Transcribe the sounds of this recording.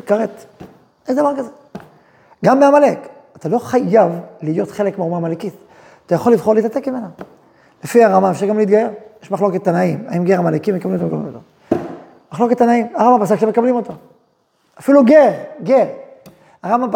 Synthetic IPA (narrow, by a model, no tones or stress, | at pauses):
kaʁet | ezd̪avaʁkaze | ɡamːeamalek | at̪alo̞χajavlijo̞tχe̞lekmeumamalekit | atajaχo̞lːivχo̞ʁleːt̪atekmime̞na | lefiaʁamaefʃaʁɡamliit̪ɡaje̞ʁjeʃmaχlo̞ket̪ːanaimaimɡeʁamalekimːekablimotomekablḭmoto | maχlo̞ke̞t̪ːanaimaʁamabasakʃeme̞kablimo̞to | afiluɡeʁɡeʁ | aʁama